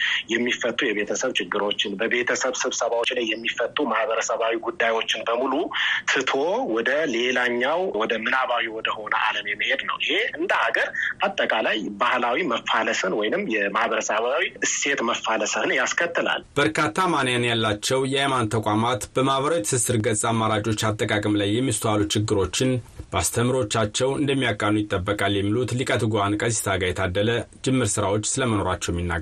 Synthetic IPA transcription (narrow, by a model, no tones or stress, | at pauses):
jɛmːifət̪ʼːujɛβe̞t̪ʰəsəβt͡ʃʰɪɡːɨɾo̞t͡ʃːɪnbəβe̞t̪ʰəsəβsɨβsəβawot͡ʃːlajːɛmːifət̪ʼːumahβəɾəsəβawiɡud̪ːajwo̞t͡ʃːɪnbəmulut̪ʰɨt̪ʰowɔd̪əle̞laɲːawwɔd̪əmɨnaβajuwɔd̪əho̞nəʔa̰ləmjɛmːəhe̞d̪nə̰wʔɪhe̞ʔɨnd̪əhaɡəɾat̪ʼːəkʼalajbahlawiməfːaləsənwɔjnɨmːjɛmahβəɾəsəβawiʔɨse̞t̪məfaləsəhɨnjaskʰət̪ʰːɨla̰lb̥əɾkʰat̪ʰːamanjanjalːat͡ʃːɛwjɛajmant̪ʰəkʷʼamat̪b̥əmaβəɾawt̪sɨsɨɾɡət͡sʼːamːaɾad͡ʒʼo̞t͡ʃːat̪ʼːəkʼakʼɨmlajːɛmːist̪ʰalut͡ʃʰɪɡːɨɾo̞t͡ʃːɪnbəast̪ʰəmɾo̞t͡ʃːat͡ʃːɛwɨ̰nd̪əmːijakʼːanːujɪt̪ʼːəbːəkʼaljɛmːilut̪likʼət̪ɡuankʼəzist̪ʰaɡajɛt̪ʰad̪ːələd͡ʒɪmːɨɾsɨɾawo̞t͡ʃːsɨləməno̞ɾat͡ʃːɛwjɛmːinːa̰ɡ